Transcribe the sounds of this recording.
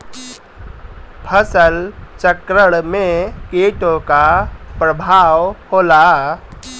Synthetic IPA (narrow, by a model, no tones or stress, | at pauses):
pʰəsəlt͡ʃəkɾəɽmẽkeːʈõkapɾəbʱaːʋhoːlaː